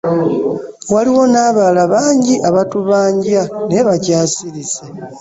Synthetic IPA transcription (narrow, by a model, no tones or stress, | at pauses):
waliwo̞naːβaːlaβaːɲɟiʔaβatuβaːɲɟjane̞βacaːsiɾise